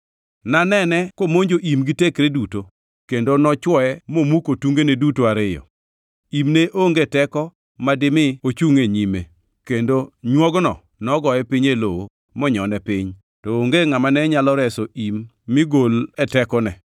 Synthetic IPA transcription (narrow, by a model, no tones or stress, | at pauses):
nanɛnɛkomoɲd͡ʒoʔimɡitekɾeduto | kendonɔt͡ʃwɔɛmomukotuŋɡenedutoaɾɪjɔ̰ | imneʔoŋɡetɛkɔ | madɪmɪot͡ʃuŋeɲimḛ | kendoɲwɔɡnɔ̰ | nɔɡɔjɛpɪɲelowo | mɔɲɔnɛpɪɲ | tɔoŋɡeŋamanɛɲalɔɾɛsoʔimː | ɪɡolɛtɛkɔnɛ